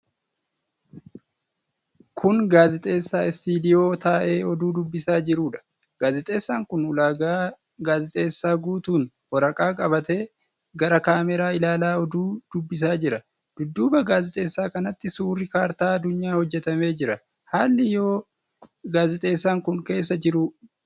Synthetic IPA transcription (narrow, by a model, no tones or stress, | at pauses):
kʰʊnɡaːzɪt̪ʼe̞ːsːaːɪst̪iːd̪ɪjo̞ːt̪aːʔe̞ːɔd̪uːd̪ʊbːɪsaːd͡ʒɪɾuːᶑɐ̥ | ɡ̥aːzɪt̪ʼe̞ːsːaːŋkʊnʊlaːɡaː | ɡaːzɪt̪ʼe̞ːsːaːɡuːt̪uːn | wɔɾɐkʼaːkʼɐbɐt̪eː | ɡɐɾɐkaːmɛɾaːɪlaːlaːɔd̪uːd̪̥ʊbːɪs̬aːd͡ʒɪɾɐ | d̪̥ʊd̪ːuːbɐɡaːzɪt̪ʼe̞ːsːaːkɐnɐt̪ːɪsuːrːɪkaːɾt̪aːɐd̪ʊɲːaːhɔd͡ʒːɛt̪ɐme̞ːd͡ʒɪɾɐ | haːlːɪjo̞ː | ɡaːzɪt̪ʼe̞ːsːaːŋkʊŋke̞ːs̬ːɐd͡ʒɪɾʊ